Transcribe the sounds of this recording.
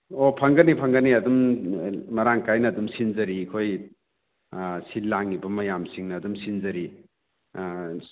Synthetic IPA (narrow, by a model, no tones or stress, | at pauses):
opʰɐŋɡɐnipʰɐŋɡɐniɐdum | mɐɾaŋkajnɐːdumsinzɐɾikʰoj | silːaŋibɐmɐjamsiŋnɐːdumsinzɐɾi